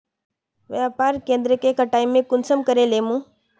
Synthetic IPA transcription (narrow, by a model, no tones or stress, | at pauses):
ʋjaːpaːɾkẽːnd̪ɾəkekəʈaːimẽkʊnsəmkəɾeleːmũː